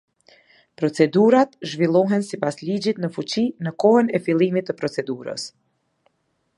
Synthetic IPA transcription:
pɾɔt͡sɛd̪uɾat̪ʒvilˠɔɦɛnsipaslid͡ʑit̪nəfut͡ɕinəkɔhənɛfilˠimit̪ːəpɾɔt͡sɛd̪uɾə̰s

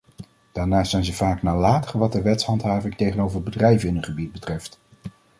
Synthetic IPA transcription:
d̥aːɹnaːstzɛjnzəv̥aːknaːlaːtəχəʋɑt̚dəʋɛtsɦhɑntɦaːvɪŋtejχənowvəɹbədrɛjvənɪnənχəbid̚bətrɛft

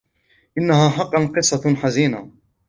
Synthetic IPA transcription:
ʔɪnːahaːħɑqːɑnqɨsˤːɑħaziːna

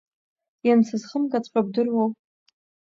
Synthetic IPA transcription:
jansʰɨzχəmkʼat͡sʰʷʼħʷʼab̚dɨrwow

